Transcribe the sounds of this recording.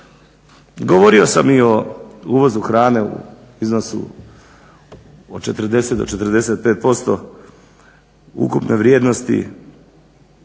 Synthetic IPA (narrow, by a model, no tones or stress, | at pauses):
ɡoʋo̞ɾio̞samio̞uːʋo̞zuxɾaːne̞ṵ | izno̞sṵ | o̰t͡ʃe̞t̪r̩d̪e̞sed̪o̞̰t͡ʃe̞t̪r̩d̪e̞set̪̚peːt̪̚po̞st̪o̞ | ṵkupneʋɾjeːd̪nost̪ḭ